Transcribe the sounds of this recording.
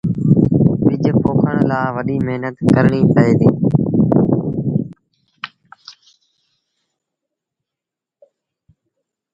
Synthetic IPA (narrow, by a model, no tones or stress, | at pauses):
ʋɪd͡ʒpoːkʰəɽ̃laːʋəɗiːmeɦnət̪kəɾɳiːpəɦeːd̪iː